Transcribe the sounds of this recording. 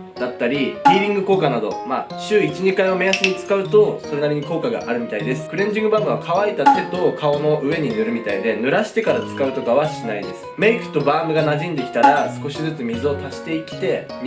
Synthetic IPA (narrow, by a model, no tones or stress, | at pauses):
d̪̥at̪ːaɾʲibʲiːɾʲĩŋɡɯ̟ko̞ːkanad̪o̞̰ma | ɕɨːit͡ɕiɲikaiβame̞jasɨɲ̟it͡sɨ̥kaɯ̟t̪o̞so̞ɾe̞naɾʲiɲ̟iko̞ːkaɡa̰ʔaɾɯ̟mʲit̪aid̪e̞sɨ̥kɯ̟ɾẽ̞ɲ̟d͡ʑĩŋɡɯ̟baːmɯβakʰaβaid̪ak̪e̞d̪o̞kʰao̞no̞ʔɯ̟e̞ɲ̟inɯ̟ɾɯ̟mʲit̪aid̪e̞nɯ̟ɾaɕi̥t̪e̞kaɾat͡sɨ̥kaɯ̟t̪o̞kaβaɕinaid̪e̞sɨ̥me̞ikɯ̟̥t̪o̞baːmɯ̟ɡanaʑĩnd̪e̞kʲt̪aɾasɨ̥ko̞ɕizɨt͡sɨmʲizɨo̞t̪aɕi̥t̪e̞ikʲi̥t̪e̞